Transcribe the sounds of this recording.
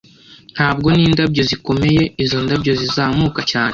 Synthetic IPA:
n̥haːb̚ɡo̞niːndabɟo̞ziko̞me̞je̞izo̞ndabɟo̞zizaːmuːkacaːne

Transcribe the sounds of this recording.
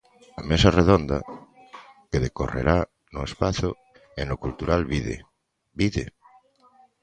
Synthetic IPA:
amesareðond̪a̰ | keðekorḛɾa | noespaθo | ẽŋlokult̪uɾalβiðḛ | biðḛ

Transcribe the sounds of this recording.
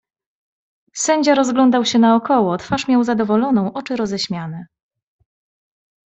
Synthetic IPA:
sɛɲd͡ʑaɾɔzɡlɔnd̪awɕɛnaɔkɔwɔt̪faʂmʲjawzad̪ɔvɔlɔnɔ̃w̃ʔɔt͡ʂɘɾɔzɛɕmʲjanɛ

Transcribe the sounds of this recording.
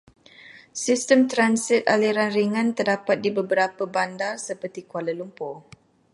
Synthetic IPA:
sistəmt̪ɾansit̪̚aliɾanriŋãnt̪ərdapat̪̚dibəbəɾapəbandarsəpərt̪ikualəlumpʊ

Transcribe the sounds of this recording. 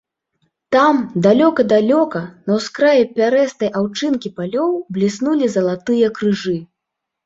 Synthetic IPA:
t̪amd̪alʲɔkɐd̪alʲɔkɐnɐwskɾajɛpʲaɾɛst̪ɐjʔawt͡ʂɨnkʲipalʲɔwblʲisnulʲizɐlˠat̪ɨjɐkɾɨʐɨ

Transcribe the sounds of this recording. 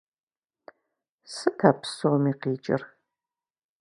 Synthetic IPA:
sɨtʰaːpʰsomiːqiːt͡ʃʼɪ̰r

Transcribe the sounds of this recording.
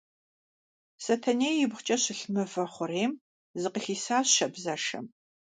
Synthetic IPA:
sɐtʰɐneːjɪbχʷt͡ʃʼɐɕɪɬmɨfɐχʷʊreːm | zɨqəxiːsaːɕʃɐbzɐʂɐ̰m

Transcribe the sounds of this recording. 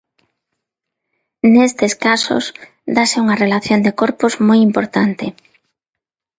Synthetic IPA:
nest̪eskaso̰s | d̪asɪuŋarelaθjond̪ekoɾpozmojimpoɾt̪ant̪ɪ

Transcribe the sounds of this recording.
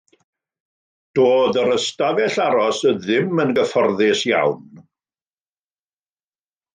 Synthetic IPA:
d̥oːðəɾəstavɛɬaɾɔsəðɪmənɡəfɔrðɪsja̰wn

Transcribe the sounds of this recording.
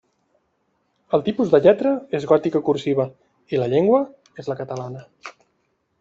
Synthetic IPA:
əlˠt̪ipuzðəʎɛt̪ɾəezɣɔt̪ikəkursiβ̞ə | iləʎeŋɡwə | ezləkət̪əlanə

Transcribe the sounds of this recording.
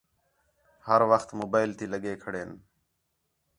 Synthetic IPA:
həɾʋəxt̪moːbaːɪlt̪ʰiːləɠeːkʰəɽeːn

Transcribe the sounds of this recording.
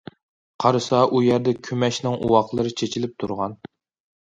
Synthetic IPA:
qʰɑɾɨsɑʔujæɾd̪ɛkʲʰymɛʃnɪŋʔṵwɑqlˠɨɾɨt͡ʃʰet͡ʃʰilɪp̚t̪ʰuɾʁɑn

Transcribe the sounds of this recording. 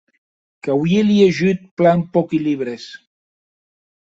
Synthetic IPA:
kawjelieʒyt̪̚planpɔkiliβɾes

